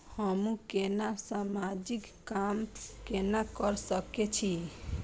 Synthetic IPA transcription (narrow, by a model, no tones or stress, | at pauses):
həmũkenasamad͡ʒikːamkenakəɾsəket͡ʃʰi